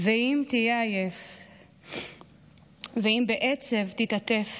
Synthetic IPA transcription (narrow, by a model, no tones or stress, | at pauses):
veimt̪ijeajef | veimbeʔet͡sevt̪it̪at̪e̞f